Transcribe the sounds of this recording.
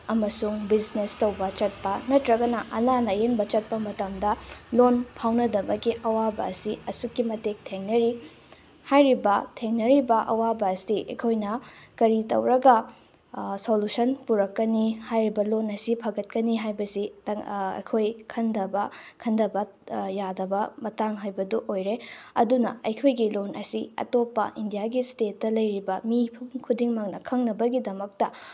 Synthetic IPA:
ɐmɐsuŋbiznestɐwbɐt͡ʃɐt̚pɐnɐtɾɐɡɐnɐʔɐnanɐjeŋbɐt͡ʃɐt̚pɐmɐtɐmdɐlonpʰawnɐdɐbɐkiʔɐwabɐ̰ɐ̰siɐsukːimɐtek̚tʰeŋnɐɾi | hajɾibɐtʰeŋnɐɾibɐʔɐ̰wabɐːsiʔɐ̰jkʰojnɐ | kɐɾitɐ̰wɾɐɡɐ | solusɐnpuɾɐkːɐnihajɾibɐlonɐsipʰɐɡɐt̚kɐniɦajbɐsi | ɐ̰kʰojkʰɐndɐbɐkʰɐndɐbɐ | jadɐbɐmɐtaŋɦajbɐduʔojɾeɐ̰dunɐ̰ɐjkʰojɡilonʔɐ̰siɐ̰topːɐ̰ʔindijaɡistet̚ːɐlɐjɾibɐmipʰumkʰudiŋmɐŋnɐkʰɐŋnɐbɐɡidɐmɐk̚tɐ

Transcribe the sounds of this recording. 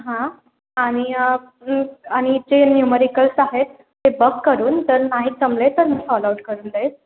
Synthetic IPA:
ɦã | aɽ̃i | aɽ̃id͡ʑenjuməɾikəlsaɦet̪ːebəkːəɾuːnt̪əɾnaɦiːk̚t͡səmlet̪əɾmiːfɔlauʈ̚kəɾuːnd̪et̪

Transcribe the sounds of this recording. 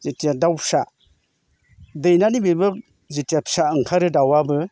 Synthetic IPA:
zetijadawpʰsa | dɯjnanibibɯk̚ | zitijapʰsaɯŋkʰaɾɯdawabɯ

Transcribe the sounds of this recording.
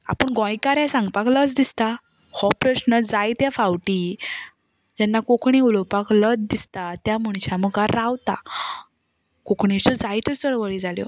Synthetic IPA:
a̰pəɳɡɔ̃jkaɾãsãŋɡpakləd͡zd̪ist̪a | hɔpɾəɕnəd͡zajt̪jafawʈi | d͡ʑɛnːakokɳiulɔpakləd͡zd̪ist̪at̪jamuɳt͡ɕaməɡaɾawt̪a̰ | kokɳit͡ɕɔd͡zajt̪əɾt͡səɭʋəɭid͡zaljɔ̰

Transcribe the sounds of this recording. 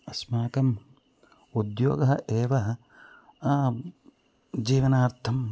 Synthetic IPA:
ɐsmaːkɐm | ud̪jo̰ːɡɐɦɐʔeːʋɐɦɐ | d͡ʒiːʋɐnaːɾt̪ʰɐm

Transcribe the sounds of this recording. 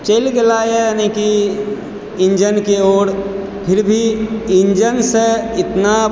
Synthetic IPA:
t͡ʃəlɡelajenẽki | iɲd͡ʒənkeoːɽ | pʰɪɾbʱiiɲd͡ʒənsəɪt̪na

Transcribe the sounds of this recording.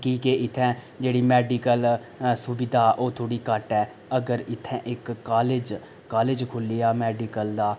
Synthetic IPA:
kiːkeʔɪt̪ʰːɛ̃ː | d͡ʒeːɽiːmɛːɖikəl | sʊbɪd̪aːʔoːt̪ʰoːɽiːkəʈɛː | əɡəɾɪt̪ʰːɛ̃ːʔɪkːaːled͡ʒ | kaːleːd͡ʒkʰʊliːaːmɛːɖiːkəld̪aː

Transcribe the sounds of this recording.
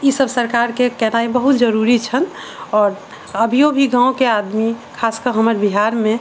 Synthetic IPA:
isəbsəɾkaɾkekɛɦnaibəɦut̪d͡ʒəɾuɾit͡ʃʰən | ɔːɾ | əbʱiobʱiɡãõkead̪mikʰaskəɾɦəməɾbiɦaɾmẽ

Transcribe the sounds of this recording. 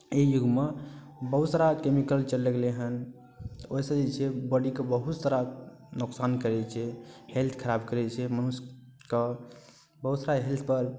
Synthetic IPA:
ejuɡme | bəɦusɾakemikəlt͡ʃəlːəɡleɦən | oisə̃d͡ʒet͡ʃʰebəɽikebəɦut̪səɾa | nuksankəɾɛt͡ʃʰɛhelt̪ʰkʰəɾabkəɾɛt͡ʃʰɛmənus | ke | bəɦusɾaɦelt̪ʰpəɾ

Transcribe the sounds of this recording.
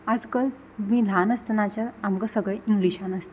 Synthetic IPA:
ad͡zkəl | mĩlanəst̪enat͡ɕəɾamkasəɡɭeiŋɡliɕãnast̪i

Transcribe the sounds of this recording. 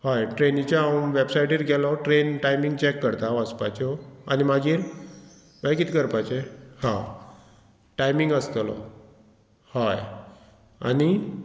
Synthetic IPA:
hajʈɾenit͡ɕaaʋebsajʈiːɾɡʱɛlɔʈɾenʈajmiŋɡt͡ɕɛkːəɾt̪aʋəspajt͡ɕɔanimaɡiːɾ | bajkit̪ikəɾpajt͡ɕehã | ʈajmiŋɡəst̪lɔ̰ | haj | ani

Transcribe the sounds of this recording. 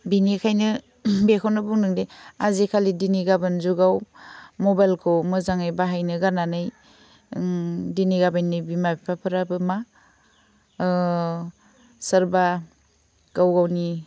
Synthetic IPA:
binikʰajnɯ | bekʰɔnɯbuŋnɯŋdeazikʰalidiniɡabɯnzuɡawmɔbajlkʰowmɯzaŋajbaɦajnɯɡananɯj | diniɡabajnːibimabipʰapʰɯɾabɯma | səɾba | ɡ̥awɡawni

